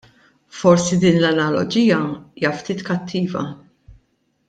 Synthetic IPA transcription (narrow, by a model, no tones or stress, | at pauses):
fɔɾsid̪iːnlɐnɐlɔ̰d͡ʒiːjɐiːjɐft̪iːt̪kɐt̪ʰːiːvɐ̰